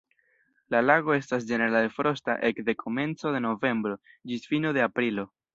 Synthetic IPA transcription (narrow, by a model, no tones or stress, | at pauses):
lalaɡo̞e̞stasd͡ʒe̞ne̞ɾalfɾo̞sta̰ʔe̞kd̪e̞kʰo̞me̞nt͡so̞ðe̞no̞ve̞mbɾo̞d͡ʒisfinoðe̞apɾilo̞